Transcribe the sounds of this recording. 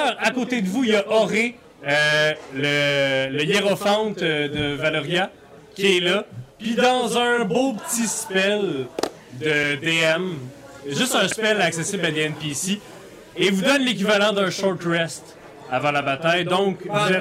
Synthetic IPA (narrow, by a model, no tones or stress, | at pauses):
ʁakot̪ed̪əvuijaʔɔʁe | ølələjeʁɔfɑ̃t̪d̪əvalɔʁja | kʲiɛlʌpɥid̪ɑ̃zə̃bopət͡sispɛl | d̪əd̪eɛm | ʒʏst̪ɛ̃spɛlaksesɪblad̪eɛnpisi | evud̪ɔnlek̬ʲivalɑ̃d̪ɛ̃ʃɔʁt̪ʁɛst̪ | avɑ̃labat̪ajd̪ɔ̃kʒ